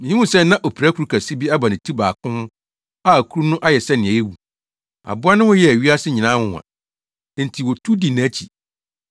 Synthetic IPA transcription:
mɪ̃˨ĩ˦ũ˦sɛ˦nã˦ʔɔ˨pʰɾæ˦kʰu˨ɾu˦kʰæ˨si˦bi˦a˦ba˨nɪ̃˨tʰi˦baː˨kʰʊ̃˦h | a˦˨kʰu˦u˦nʊ̃˦ʔa˦jɛ˨sɛ˦nɪ̃˨æ˨ɛ˦wu˨ | a̰˨bʊ˦a˦nʊ̃˦wɔ˦jɛ˦æ˨ɥi˦a˦sɪ˦ɲɪ̃˨nã˦hʊ̃˦˨a̰˨˦ | n̩˨tʰi˨wɔ˨tʰu˦di˨nã˨˦t͡ɕʰi˨

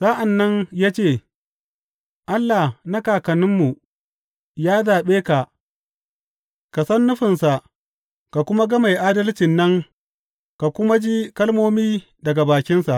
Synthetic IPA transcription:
sa˦ʔa˨nːɐ˦ɲjaː˦t͡ʃeː˦˨ | ʔa˦lːa˨hna˦kaː˨kɐ˨nɪ˦mːu˨ | jaː˦zaː˨ɓeː˦ka˨ʔ | ka˨sɐ˦nːʊ˦ɸɪ˨nsa˨ʔ | ka˨kʷʊ˦ma˦ɡɐ˦ma˨jʔaː˦dɐ˦lt͡ʃɪ˨nːɐ˦ŋ | ka˨kʷʊ˦ma˦d͡ʒi˦kɐ˦lmoː˦miː˦ | dɐ˨ɡa˨baː˨kʲɪ˦nsa˨ʔ

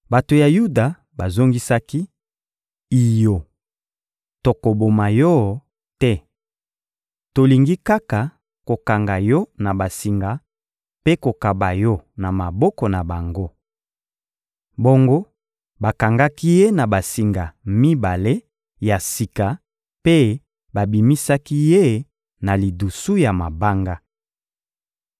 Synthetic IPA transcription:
ba˨to˨ja˨ju˦da˨ | ba˨zo˦ŋɡi˦sa˦ki˦ | i˨jo˨ | to˨ko˨bo˨ma˨jɔ˦˨ | tɛ˦ | to˨li˨ŋɡi˦ka˦ka˨ | ko˨ka˨ŋɡa˨jɔ˦na˨ba˨si˨ŋɡa˨ | pe˦ko˨ka˨ba˨jɔ˦na˨ma˨bɔ˦kɔ˨na˨ba˨ŋɡo˦ | bo˦ŋɡo˦ | ba˨ka˨ŋɡa˦ki˦je˦na˨ba˨si˨ŋɡa˨mi˦ba˨le˦ | ja˨si˨ka˨ | pe˦ | ba˨bi˨mi˦sa˦ki˦je˦ | na˨li˨du˨su˦ja˨ma˨ba˦ŋɡa˦

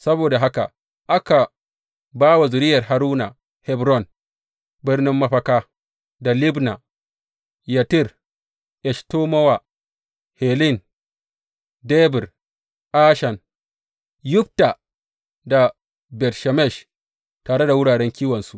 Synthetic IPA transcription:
sɐ˦boː˨da˨ɦa˦ka̰˨ | ʔa˦ka˨ | baː˦wa˨zʊ˨ɾɪ˦jɐ˨rɦa˨ɾuː˦na̰˨ | hɛ˦bɾɔ˦˨n | bɪ˦rnɪ˦mːɐ˦ɸɐ˦kaː˦ | da˨lɪ˦bna˨ | ja˨tɪ˦˨r | ʔɛ˨ʃtoː˦mɔ˦wa˨ | hɛ˨lɪ˦˨n | de˦bɪ˨r | ʔaː˦ʃɐ˨n | jʊ˦p̚ta˨ | da˨ | bɛ˨tʃa˨mɛ˦˨ʃ | taː˨ɽe˦da˨wʊ˦ɽaː˨ɽɛ˦ŋkʲiː˦wɐ˨nsu˦ʔ

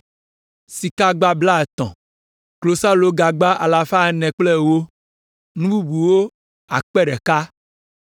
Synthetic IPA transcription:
si˨ka˦ɡ͡ba˦bla˦ɛ˨t̪ɔ̰̃˨ | klo˨sa˦lo˦ɡa˨ɡ͡ba˦ʔa˨la˨fa˦˨˦nɛ̃˨k͡ple˦wo˦ | nũ˦bu˦bu˨wo˦ | a̰˨k͡pɛ˦ɖɛ˨ka˦

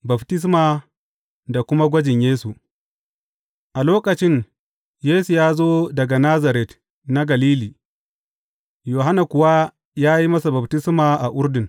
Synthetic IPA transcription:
bɐ˨btɪ˦s̬maː˨ | da˨kʷʊ˦ma˦ɡʷɐ˦d͡ʒɪ˨ɲjeː˦su˨ | ʔa˨loː˦kɐ˨t͡ʃɪ˦ɲ | jeː˦su˨jaː˦zoː˦dɐ˨ɡa˨na˦za˨ɾɛ˦t | na˦ɡɐ˨liː˦liː˨ | joː˨ɦa˦na˨kʷʊ˨wa˦ | jaː˦ji˦mɐ˦sa˨bɐ˨btɪ˦smaː˨ʔa˨ʔʊ˦ɾdɪ˨ŋ

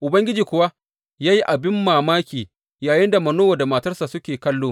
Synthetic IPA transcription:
ʔʊ˨bɐ˦ŋɡʲɪ˦d͡ʒiː˨kʷʊ˨wa˦ | jaː˦ji˦ʔa˨bɪ˦mːaː˨maː˦kʲiː˨ | jaː˨jɪ˦nda˨mɐ˨noː˦wa˨da˨ma˨tɐ˦rsa˨sʊ˦kʲeː˨kɐ˦lːoː˦

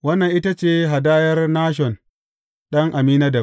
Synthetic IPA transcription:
wɐ˦nːɐ˨ŋʔɪ˦ta˦t͡ʃeː˦ɦa˨daː˦jɐ˦rnaː˦ʃ̬ɔ˨n | ɗɐ˦ŋʔa˨miː˦naː˦dɐ˨

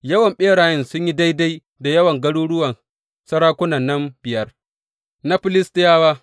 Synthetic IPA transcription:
jɐ˦wɐ˨mɓeː˦ɽaː˨jɪ˦nsʊ˦ɲji˦da˦jda˦j | da˨jɐ˦wɐ˨ŋɡɐ˦ɽuː˦ɽʊ˦wɐ˨n | sɐ˦ɽaː˦kʷʊ˦nɐ˨nːɐ˦mbɪ˨jɐ˦r | na˦ɸɪ˦lɪ˦stɪ˦jaː˦waː˦

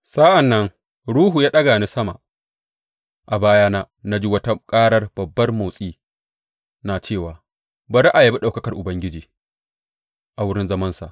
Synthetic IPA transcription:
sa˦ʔa˨nːɐ˦ŋ | ɽuː˦ɦu˨jaː˦ɗɐ˦ɡaː˨ni˦sɐ˦ma̰˨ | ʔa˨baː˦jaː˦na˦ | na˦d͡ʒi˦wɐ˦tɐ˦kʼaː˦ɽɐ˦rb̥ɐ˨bːɐ˦rmo˨sʼiː˦ | naː˨t͡ʃeː˦˨waː˨ | ba˨ɾa˦ʔa˨je˨˦bi˦ɗa˨wkɐ˦kɐ˨rʔʊ˨bɐ˦ŋɡʲɪ˦d͡ʒiː˨ | ʔa˨wʊ˦ɽɪ˦nzɐ˦mɐ˦nsa̰˨ʔ

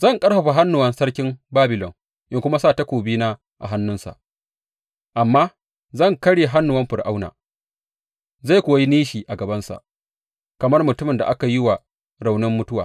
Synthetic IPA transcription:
zɐ˦˨ŋkʼɐ˦ɽɸɐ˨ɸa˨ɦa˦nːʊ˨wɐ˦nsɐ˦ɽkʲɪ˦mbaː˦bɪ˨lɔ˨ŋ | ʔɪ˦ŋkʷʊ˦ma˦saː˦˨ta˦kʷoː˨biː˦naː˦ | ʔa̰˨ɦa˦nːʊ˦nsa̰˨ʔ | ʔa˨mːaː˦ | zɐ˦˨ŋkɐ˦ɽeː˨ɦa˦nːʊ˨wɐ˦mɸɪ˨rʔa˦wna̰ː˨ | za˦˨kʷoː˨˦ji˦niː˦ʃiː˨ʔa˨ɡɐ˨bɐ˦nsa̰˨ | kɐ˨mɐ˦rmʊ˨tʊ˦mɪ˨nda˨ʔa˦ka˨ji˦wa˨ | ɾa˨wnɪ˦mːʊ˦tʊ˦waː˨

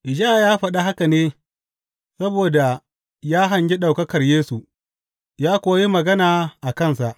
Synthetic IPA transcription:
ʔɪ˨d͡ʒaː˦˨jaː˦ɸɐ˨ɗa˦ɦa˦ka˨neː˦ | sɐ˦boː˨da˨ | jaː˦ɦɐ˨ɲɡʲi˦ɗa˨wkɐ˦kɐ˨rjeː˦su˨ʔ | jaː˦kʷoː˨˦ji˦mɐ˨ɡɐ˦naː˨ʔa˨kɐ˦˨nsa˨ʔ

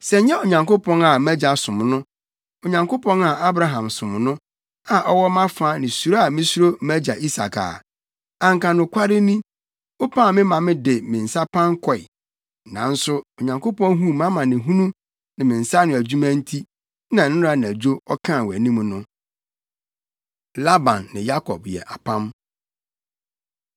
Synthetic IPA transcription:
sɛ˨ɲ˦ɲɛ˦o˨ɲã˨ŋko˦pʰɔ̃˦na˨mæ˦d͡ʑa˨sʊ̃˨m˨nʊ̃˦ | o˨ɲã˨ŋko˦pʰɔ̃˦na˨ʔa˦bɾa˦ɦã˨msʊ̃˨m˨nʊ̃˦ | a˨ʔɔ˦wɔ˦mã˦faː˦nɪ̃˨su˨ɾa˦a˨mɪ̃˦su˦ɾo˦mæ˦d͡ʑa˨ʔi˦sa̰˨kʰa̰ː˨ | ã˨ŋkã˨nʊ̃˨kʷʰa˦ɾɪ˦nĩ˦ | o˦pʰã˦˨mɪ̃˦mã˨mɪ̃˦dɪ˨mɪ̃˨n̩˨sa˦pʰã˦ŋ˦kʰɔ˨ɪ̰˨ | nã˨˦n̩˦sʊ˦o˨ɲã˨ŋko˦pɔ̃˦nɦũ˦mã˦mã˨nɪ̃˨ɦũ˦nũ˦ | nɪ̃˨mɪ̃˨n̩˨sa˦nʊ̃˨æ˨d͡ʑu˦mæ̃˦n̩˦tʰi˦ | nã˨˦ɪ̃˦ɾa˨ñ˨æ˨d͡ʑᶣo˦ɔ˦kʰã˦˨wæ˨nĩ˦m̃˦nʊ̃˦ | la˦bã˨nːɪ̃˨ja˦kʰɔ̰˨bjɛ̰˨ʔa˨pʰã˦m

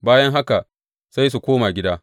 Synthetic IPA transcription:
baː˦jɐ˦ŋɦa˦ka˨ | sa˦js̬u˨kʷoː˦maː˨ɡʲɪ˦daː˦

